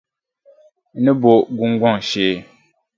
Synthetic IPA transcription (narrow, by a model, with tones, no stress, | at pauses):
nɨ˦bo˨ɡu˦ŋ˦ɡʷa˦ŋ˨ʃeː˦˨